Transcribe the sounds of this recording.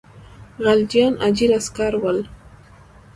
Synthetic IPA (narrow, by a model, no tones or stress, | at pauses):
ɢɑld͡ʒanad͡ʒɪɾaskaɾwal